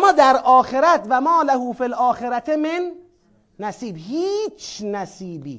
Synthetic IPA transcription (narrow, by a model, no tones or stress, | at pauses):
amːɒːd̪æɾʔɒːxeɾæt̪væmɒːlæhuːfilʔɒːxeɾæt̪ʰemenː | æsiːbhiːt͡ʃʰnæsiːbiː